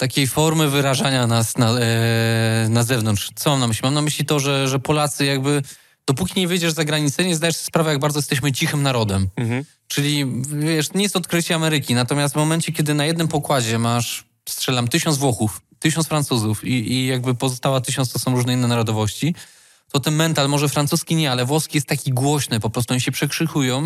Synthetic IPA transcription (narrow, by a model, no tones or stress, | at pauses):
t̪akʲejfɔɾmɘvɘɾaʐaɲanasna | nazɛvnɔnt̪ʂt̪sɔmamnamɘɕlimamnamɘɕlʲit̪ɔʐɛʐɛpɔlat̪sɘjaɡbɘ | d̪̥ɔpukʲiɲɛvɘjd͡ʑɛʐzaɡɾaɲit̪sɛɲɛzd̪ajɛʂɕɛ̥spɾavɛjaɡ̚baɾd̪ɔjɛst̪ɛɕ̬mɘt͡ɕixɘmnaɾɔd̪ɛm | t͡ʂɘlʲivʲjɛʂt̪ɔɲɛjɛst̪ɔt̪kɾɘt͡ɕɛamɛɾɘkʲinat̪ɔmʲjast̪vmɔmɛnt͡ɕɛkʲɛd̪ɘnajɛd̪nɘmpɔkwad͡ʑɛmaʂ | stʂɛlamt̪ɘɕɔnzvwɔxuft̪ɘɕɔnsfɾant̪suzufiijaɡbɘpɔzɔst̪awat̪ɘɕɔntst̪ɔsɔ̃w̃ɾuʐnɛinːɛnaɾɔd̪ɔvɔɕt͡ɕi | t̪ɔt̪ɛnmɛnt̪almɔʐɛfɾansuskʲiɲɛalɛvwɔskʲijɛst̪ːakʲiɡwɔɕnɘpɔpɾɔst̪uɔɲiɕɛpʂɛkʂɘxujɔ̃w̃